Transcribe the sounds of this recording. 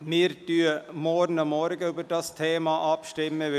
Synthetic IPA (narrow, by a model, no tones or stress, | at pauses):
mɪɾd̥yːəmɔɾnəmɔɾɡəybəɾdɑstʰeːmɑʔɑpʃtɪmːəʋɪ